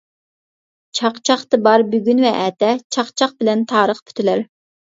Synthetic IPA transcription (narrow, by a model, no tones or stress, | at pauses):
t͡ʃʰɑqt͡ʃʰɑχt̪ɨbɑɾbyɡʲynvɛʔɛːt̪ɛt͡ʃʰɑqt͡ʃʰɑq̚bɪlɛnt̪ʰɑːɾəχpʰy̥t̪ʰylæɾ